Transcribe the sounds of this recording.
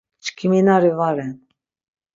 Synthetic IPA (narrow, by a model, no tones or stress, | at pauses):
t͡ʃʰkʰiminaɾivaɾɛn